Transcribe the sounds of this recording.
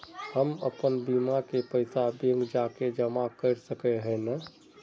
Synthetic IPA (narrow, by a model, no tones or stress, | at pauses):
həmə̰pənbimakepəɪsabeŋɡd͡ʒaːked͡ʒəmakəɾsəkeɦɛ̃na